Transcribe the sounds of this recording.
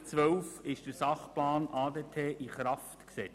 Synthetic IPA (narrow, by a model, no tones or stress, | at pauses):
t͡sʋœwfɪʃd̥əsɑχplɑːnʔɑːd̪eːtʰeːʔiχɾɑftksɛ